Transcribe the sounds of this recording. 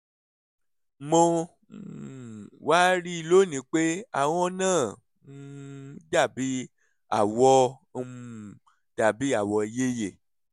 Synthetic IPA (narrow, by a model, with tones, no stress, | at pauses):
mõ˧ | waː˦ɾi˦i˧lo˦˨nĩ˨˦k͡pe˦a̰˦˨w̃ɔ̃˧˦nãː˦˨˦ | da˦˨bi˨˦ | a̰˦˨wɔ˧˦˧ | m˨ | d̥a˨bi˨˦a˦˨wɔ˧˨je˦je˨